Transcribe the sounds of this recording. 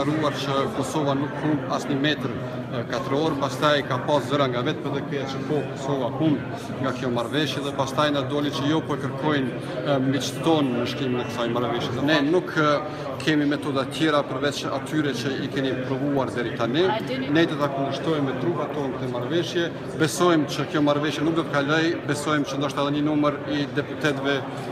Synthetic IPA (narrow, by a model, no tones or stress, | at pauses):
aɾuaɾt͡ʃəkɔsɔvanukːumasɲəmɛt̪ɾ | kat̪əɾɔɾpast̪ajkapaszəɾaŋɡavɛt̪̚pəɾðɛkɛat͡ʃəkɔkɔsɔvahumb | ŋɡakjɔmaɾvɛʃjɛðɛpast̪ajnad̪ɔlit͡ʃəjɔpɔɛkəɾkʰɔjn | mit͡ʃt̪t̪ɔnməʃkiminɛt̪sajmaɾvɛʃjɛt̪ənɛnukʰ | kʰːɛmimɛt̪ɔd̪at̪jɛɾapəɾvɛt͡ʃa̰t̪ʰyɾɛt͡ʃəikɛnipɾɔvuaɾd̪ɛɾit̪aninɛd̪ɔt̪akund̪əʃt̪ɔjmɛt̪ɾupat̪ɔnkt̪ɛmaɾvɛʃjɛ | bɛsɔjmt͡ʃəkjɔmaɾvɛʃjɛnuk̚d̪ɔt̪ə̥kalɔjbɛsɔjmt͡ʃənd̪ɔʃt̪aðɛɲənuməɾid̪ɛput̪ɛt̪vɛ